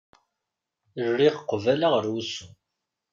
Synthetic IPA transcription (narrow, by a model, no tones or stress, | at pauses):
ərːiʁqːvælaʁəɾwusu